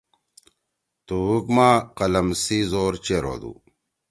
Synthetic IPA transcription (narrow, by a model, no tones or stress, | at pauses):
t̪uukmaːqɐlɐmsizoːɾt͡ɕeɾo̰d̪ṵ